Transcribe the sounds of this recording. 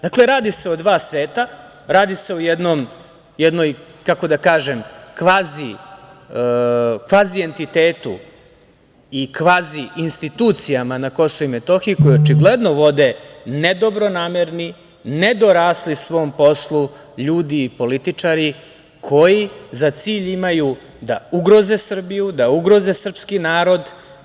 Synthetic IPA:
d̪akle̞ɾaːd̪ise̞od̪ʋaːsʋeːt̪a | ɾaːd̪ise̞ojɛd̪nom | jɛd̪nojkako̞d̪akaːʒemkʋaːzi | kʋaːzie̞nt̪it̪eːt̪ṵ | ikʋaːziinst̪it̪uːt̪sijamanako̞souimet̪o̞xiiko̞jot͡ʃiɡled̪no̞ʋo̞d̪ened̪o̞bɾo̞naːmeɾni | ned̪o̞ɾaːslisʋo̞ːmpo̞slˠu | ʎuːd̪iːpo̞lit̪it͡ʂaɾi | kʰo̞jizat̪siːʎimaju | d̪auɡɾo̞ze̞sr̩bijud̪auɡɾo̞ze̞sr̩pskinaːɾo̞d̪

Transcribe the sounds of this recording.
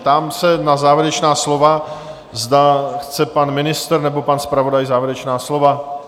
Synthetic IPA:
t̪aːmsɛnazaːvjɪɾɛt͡ʃnaːslo̞va | zdaxt͡sɛpanmɪnɪst̪rɾnɛbo̞panspɾavo̞dajzaːvjɛɾɛt͡ʃnaːslo̞va

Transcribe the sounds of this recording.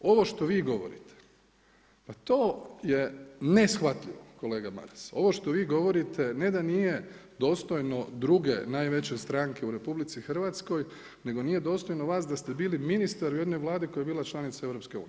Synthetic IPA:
o̞ʋo̞ʃt̪o̞ʋiːɡo̞ʋo̞̰ɾḭt̪ʰe̥ | pat̪oːjenesxʋat̪ʎiʋo̞̰ko̞le̞ːɡama̰ɾeso̞̰ʋoʃt̪o̞ʋiːɡo̞ʋo̞ɾit̪ʰe̞ned̪anijed̪o̞ːst̪o̞jno̞d̪ɾuɡe̞naːjʋe̞t͡ɕest̪ɾaŋke̞uɾe̞publit̪sixr̩ʋat̪sko̞j | ne̞ɡo̞nije̞d̪o̞ːst̪o̞jnoʋaːs̬d̪ast̪ebiːliminist̪aɾuje̞d̪nojʋlˠaːd̪ikojaebiːlˠat͡ʃlˠanit̪sae̞ʋɾo̞pskeṵːnij

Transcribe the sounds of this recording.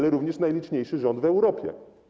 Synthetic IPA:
lɛɾuvɲɛʂnajlʲit͡ʂɲejʂɘʐɔnd̪vɛwɾɔpʲjɛ̰

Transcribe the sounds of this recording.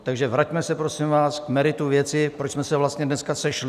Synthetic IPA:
t̪aɡʒɛvɾacmɛsɛpɾosɪmvaːskmɛɾɪt̪uvjɛt͡sɪpɾot͡ʃsmɛsɛvlast̪ɲɛdnɛskasɛʃlɪ

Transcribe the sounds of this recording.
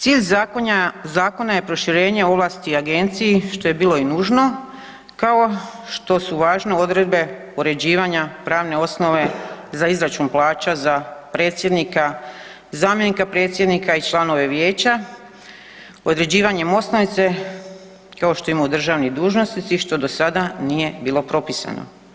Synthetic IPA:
t̪siːʎz | zaːko̞naje̞pɾo̞ʃiɾe̞ːɲe̞o̞ʋlˠaːst̪iaɡe̞nt̪sijiʃt̪o̞je̞biːlˠo̞inuːʒno̞ | kao̞ | ʃt̪o̞suʋaːʒneo̞d̪ɾe̞d̪be̞ | oɾe̞d͡ʑiːʋaɲapɾaːʋne̞o̞sno̞ʋe̞zaizɾat͡ʃunplaːt͡ɕazapɾe̞ːt̪sʲjed̪nika | zaːmjenikapɾe̞ːt̪sʲjed̪nikait͡ʃlˠano̞ʋe̞ʋje̞ːt͡ɕa | o̞d̪ɾe̞d͡ʑiːʋaɲe̞mo̞snonit̪se̞ | kao̞ʃt̪o̞imaud̪r̩ʒaʋnid̪uːʒno̞snit̪siʃt̪o̞d̪o̞sad̪anije̞biːlo̞pɾo̞pisa̰no̰

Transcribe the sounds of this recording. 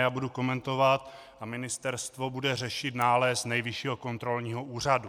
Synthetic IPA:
jaːbuduko̞mɛnt̪o̞vat̪ | ʔamɪnɪst̪ɛɾst̪vo̞budɛrɛʃɪt̪naːlɛsnɛjvɪʃiːɦoko̞nt̪ɾo̞lɲiːɦo̞ʔuːr̝adu

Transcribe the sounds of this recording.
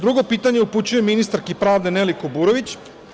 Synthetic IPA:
d̪ɾuɡo̞piːt̪aɲe̞uput͡ɕuje̞minist̪aɾkipɾaːʋd̪e̞nelikobuːɾo̞ʋit͡ɕ

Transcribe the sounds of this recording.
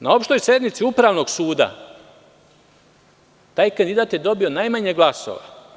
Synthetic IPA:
nao̞pʃt̪o̞jsje̞d̪nmit̪siupɾaːʋno̞ɡsuːd̪a̰ | t̪aːjkand̪id̪aːt̪je̞d̪o̞bio̞najmaɲeɡlˠaso̰ʋa̰

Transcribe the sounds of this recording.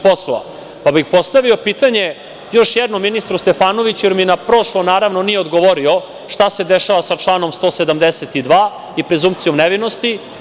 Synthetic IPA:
po̞sloʋa̰ | pabixpo̞st̪aʋio̞piːt̪aɲe̞ | jo̞ʃjɛd̪nomːinist̪ɾust̪efaːnoʋit͡ɕueɾminapɾo̞ʂlonaːɾaʋno̞nijeod̪ɡoʋoɾio̞ | ʂt̪ase̞d̪eʃaʋasat͡ʂlˠaːno̞mst̪osed̪amd̪eset̪id̪ʋaː | ipɾezumpt̪sijomneʋino̞st̪i

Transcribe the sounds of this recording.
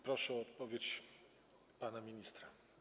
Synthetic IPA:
pɾɔʂɛɔɔt̪pɔvʲjet͡ɕ | panamʲiɲist̪ɾa

